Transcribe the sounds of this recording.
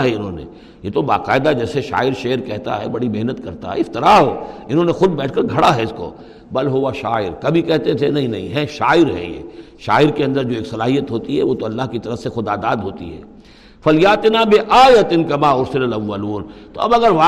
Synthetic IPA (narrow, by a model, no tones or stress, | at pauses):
ɦɛɪnɦõːnḛ̃ | jet̪oba̰ːqaːɪd̪ad͡ʒɛːseʃa̰ːɪɾʃeːɾkɛɦt̪a̰ɦɛ̰bɐɽimeɦnət̪kɐɾt̪a̰ɦɛ̰ɪft̪ɪɾaɦoːɪnɦõːnexʊd̪bɛːʈʰkɐɾɡʱɐɽaɦɛɪsko̰ː | bɐlɦoːʋaʃaːɪɾkɐbʱikɛɦt̪et̪ʰenɐɦĩnɐɦḭ̃ɦɛ̃ʃaːɪɾɦɛ̰̃jḛː | ʃaːɪɾkeɐ̃nd̪əɾd͡ʒoːeːksɐlaːɦijət̪ɦoːt̪iɦɛ̰ʋoːt̪oɐlːaɦkit̪ɐɾəfsexʊd̪aːd̪aːd̪ɦoːt̪ḭɦɛ̰ː | fɐljaːt̪ɪnaːbɪʔaːjɐt̪ɪnkɐmaːʊɾsɪlɐlɐʋːɐluːnt̪o̰ɐ̰bɐɡəɾʋaː